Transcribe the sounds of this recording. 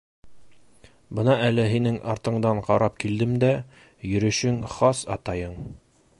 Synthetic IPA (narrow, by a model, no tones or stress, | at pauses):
bɤnɑælɘɦinɘŋʔɑɾt̪ɤ̆ɴd̪ɑɴqɑɾɑp̚kild̪ɘmd̪æ | jɵ̆ɾɵ̆ʃɘŋχɑsɑ̰t̪ɑjɤɴ